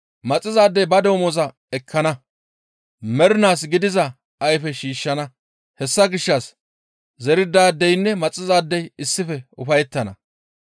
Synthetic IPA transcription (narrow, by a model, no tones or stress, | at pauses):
mɐt͡sʼːɪzaːd̪ːɛjbɐd̪o̞ːmozɐ | ɛkʰːɐnɐ | mɛɾɪnaːsɡɪd̪ɪzɐ | ɐjfɛʃiːʃːɐnɐ | hɛsːɐɡɪʃːɐs | zɛɾɪd̪aːd̪ːɛjnːɛmɐt͡sʼːɪzaːd̪ːɛjɪsːɪfɛʊfɐjɛt̪ːɐnɐ̰